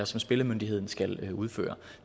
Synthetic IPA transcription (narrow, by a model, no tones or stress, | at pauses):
ɐsɒ̽msb̥e̝ləmønd̥iɦe̝ð̞̰ˠn̩sɡ̥æluðˠfø̰ːɐ